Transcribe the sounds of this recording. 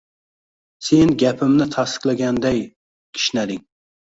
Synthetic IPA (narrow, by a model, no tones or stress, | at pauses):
senɡʲɛpʰɪmnɪt̪ʰɑst̪ə̥qlˠɛɡʲɛnd̪ɛj | kʲʰi̥ʃnɛd̪ɪŋ